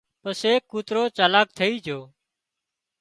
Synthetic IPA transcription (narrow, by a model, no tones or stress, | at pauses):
pəseːkːuːt̪ɾoːt͡ʃaːlaːk̚t̪ʰəiːd͡ʒʱoː